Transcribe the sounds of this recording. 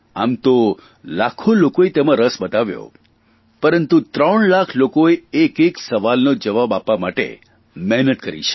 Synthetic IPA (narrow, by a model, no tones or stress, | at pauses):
amt̪o | lakʰolokoet̪emãɾəsbət̪aʋjo̰ | pəɾənt̪ut̪ɾəɳlakʰlokoeekeksəʋalnod͡ʒəʋabapʋamaʈḛ | mɛɦnət̪kəɾḭt͡ʃʰe̥